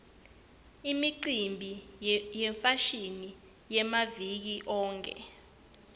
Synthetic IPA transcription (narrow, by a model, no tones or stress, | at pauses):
imiǀimbʱijɛɱfaʃini | jɛmavik̬iʔɔːŋkʰɛ̰